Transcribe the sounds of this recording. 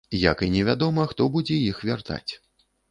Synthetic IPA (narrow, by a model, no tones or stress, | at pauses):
ja̰kinʲɛvʲad̪ɔmɐxt̪ɔbud͡zʲɛjixvʲart̪a̰t͡sʲ